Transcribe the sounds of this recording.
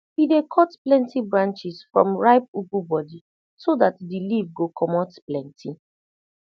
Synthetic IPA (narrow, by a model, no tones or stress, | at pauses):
bidekʰɔtplɛ̃ntibɹãnt͡ʃisfɹɔ̰̃mɹaɪp̚uɡubɔdi | sodatdilivɡokʰɔmɔtplɛ̃ntʰi